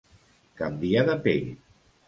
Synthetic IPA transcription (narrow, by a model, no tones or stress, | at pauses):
kambiaðapeʎ